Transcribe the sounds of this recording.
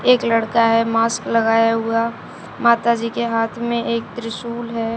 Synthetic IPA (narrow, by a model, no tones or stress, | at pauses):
eːkləɽkaɦɛmaːskləɡaːjaɦʊa | maːt̪ad͡ʒikeɦaːt̪ʰmẽʔeːk̚t̪ɾɪsuːlɦɛː